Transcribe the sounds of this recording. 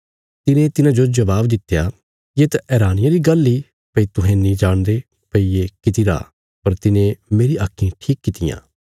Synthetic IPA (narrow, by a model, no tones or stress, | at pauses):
t̪ɪnẽt̪ɪnãd͡ʒod͡ʒɐbaːbd̪ɪt̪ːja | jet̪ɛːɾaːnɪjaɾiɡɐlːi | pəit̪ʊɦɛ̃nĩd͡ʒaːɽ̃d̪e | pəiekɪt̪iɾa̰ː | pɐɾt̪ɪnẽmeːɾiʔaːkʰːĩʈʰiːkːɪt̪ɪjã̰ː